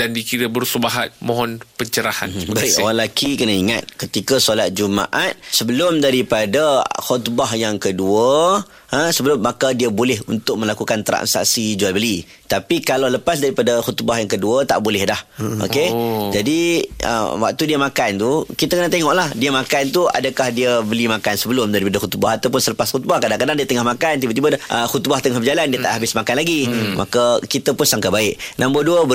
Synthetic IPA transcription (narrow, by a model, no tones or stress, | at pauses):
dandikiɾəbəɾsubaɦat̪̚mɔ̃ɦɔnpəɲt͡ʃəɾaha̰mnbaiwanlakikənaiŋa̰t̪̚kət̪ikasolat̪̚d͡ʒuma̰ʔat̪̚səbəlʊmdaɾipadahɔt̪baɦjaŋkəduə | ə̃səbəlʊmːakadiəbolɛɦunt̪ʊk̚mə̃lakukant̪ɾa̰nsa̰sid͡ʒualbəli | t̪apikalawləpas̬daɾipadaxɔt̪baɦjaŋkəduət̪a̰ʔbolɪhdahʔo̰ked͡ʒadiə̰wa̰k̚t̪udiəmakant̪ukit̪əkənaʔt̪eŋɔʔlahdiəmakant̪ua̰dəkahdiəbəlimakansəbəlʊmdaɾipadəxut̪ba̰ɦat̪awpʊnsələpasxut̪̚bahkadaŋkadaŋdiət̪əŋahmakant̪ibət̪ibədhʔəhut̪̚baht̪əŋahbəd͡ʒalandiət̪aʔɦabɪsmakanlaɡimakəkit̪əpʊnsaŋkabaɪʔnãmboduəbə